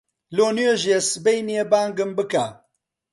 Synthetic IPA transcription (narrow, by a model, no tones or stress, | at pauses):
loːnujeʒiesɨbejnijebaːŋɡɨmbɨka